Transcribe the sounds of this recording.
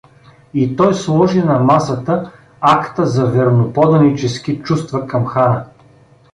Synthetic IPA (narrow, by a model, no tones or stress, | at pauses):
it̪ɔjslˠɔʒinɐmasət̪ə | akt̪əzɐvɛɾnopɔd̪ɐnit͡ʃɛsk̟ʲit͡ʃust̪vɐkɐmxaɾə